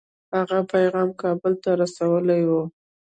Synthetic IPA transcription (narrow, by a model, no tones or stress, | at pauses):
haɣapajɣɑmkɑbəlt̪aɾasawəlajwu